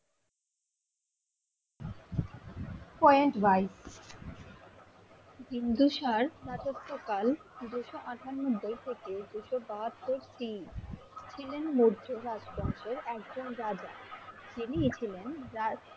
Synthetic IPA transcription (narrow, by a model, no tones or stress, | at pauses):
pɔjeɳʈvajs | bind̪uʃaɾɾat̪ot̪ːokal | d̪uʃoʔaʈʰanmod̪ʱːejt̪ʰeked̪uʃobaɦat̪ːoɾsi | t͡ɕʰilenmoɾd͡ʑoɾad͡ʑbɔŋʃeɾɛk̚d͡ʑonɾad͡ʑad͡ʑiniet͡ɕʰilenɾa